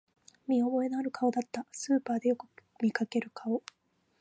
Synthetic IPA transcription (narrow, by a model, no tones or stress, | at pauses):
mʲio̞bo̞enaːɾɯ̟kʰao̞d̪at̪ːasɨːpaːd̪e̞jo̞kɯ̟̥ | mʲikake̞ɾɯ̟kʰao̞